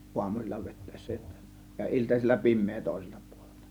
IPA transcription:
uɑmusilʲːɑ ʋetˑæˑe̝sːæ jotːɑ jɑ iltɑsilʲːɑ pimˑeː toˑe̝se̥l̥tɑ̥ pu̥o̥l̥e̥l̥tɑ̥

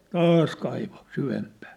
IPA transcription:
tɑːs kɑiʋo syʋempæː

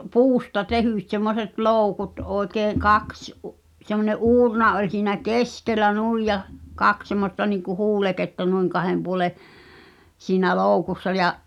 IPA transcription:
puːstɑ tehyˑt semːoset loˑukut ʔoˑi̞keː kɑks ʔu semːonʲeʔ ʔuːrnɑ olʲ siːnæ keskelːæ nuˑij jɑ kɑks semːostɑ niŋku huːleketːɑ nuiŋ kɑhem puŏle siːnæ loˑukusːɑ jɑʔ

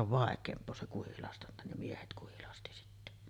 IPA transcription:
oʋ ʋɑˑekˑeːmpˑoː se kuhilɑstɑntɑ ne miehet kuhilɑsti sitːe

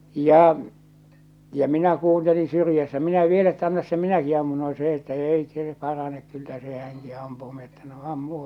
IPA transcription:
jɑˑ jɑ minæ kuːntelin̞ syrjæsːæ minæ ʋiel etːæ ɑnːɑs se minæki ɑmːun no se etːæ eˑi seː pɑrɑnek kylːæ se hæŋki ɑmpuː mi etːæ no ɑmːu

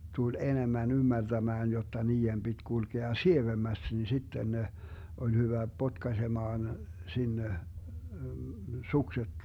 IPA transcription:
tul enemːæn ymːærtæmæːn jotːɑ niːem b̥id̥ kulkeɑ sieʋemːæst ni sitːen ne olʲ hyʋæ potkɑsemɑːn sinːe sukset

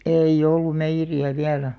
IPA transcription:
eˑij̆ olːum meijːeriæ ʋiælæ

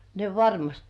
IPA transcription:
ne ʋɑrmɑst

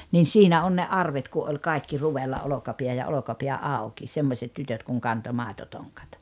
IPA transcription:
nin̞ siːnæ on ne ɑrʋet ku ʔolʲ kɑˑikːi ruʋelːɑ olokɑpiæ jɑ olokɑpiæ ɑˑu̞ki semːosʲet tytøt kuŋ kɑnto mɑˑetotoŋkɑ̥t

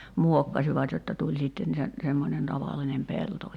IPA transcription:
muokːɑsiʋɑt jotːɑ tulʲ siˑtːen sen semːonen tɑʋɑlːinem pelto

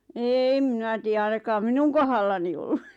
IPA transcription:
eːm mĭnæ tiːj̆æ ɑinɑkɑːm minuŋ kohɑlːɑni olːu

